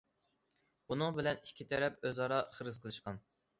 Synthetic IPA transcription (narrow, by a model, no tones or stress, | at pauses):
bunɨŋbɪlɛnikʲʰːit̪ʰɛɾɛpøzɑɾɑχəɾɨzqʰəlˠɨʃqɑn